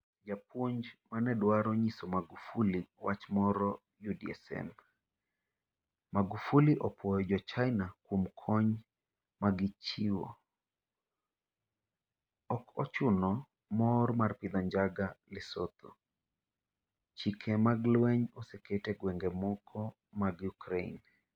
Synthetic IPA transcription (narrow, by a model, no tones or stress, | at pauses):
d͡ʒapwoɲd͡ʒmanɛdwaɾɔɲisɔmaɡufuliwat͡ʃmɔɾɔ | judiɛ̰sɛ̰m | maɡufuliʔɔpwɔjɔd͡ʒɔt͡ʃajnakwomkʰɔɲ | maɡɪt͡ʃiwo̰ | ɔkɔt͡ʃʊnɔ | mɔrmarpɪd̪ɔɲd͡ʒaɡalɪsɔt̪ʰo | t͡ʃikʰɛmaɡlwɛɲɔsɛketɛɡwɛŋɡemɔkʰɔ | maɡjukɾein